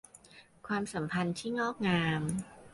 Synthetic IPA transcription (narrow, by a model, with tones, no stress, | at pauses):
kʰwaː˧msa˩˦mpʰa˧nt̪ʰiː˥˩ŋɔː˥˩k̚ŋaː˧m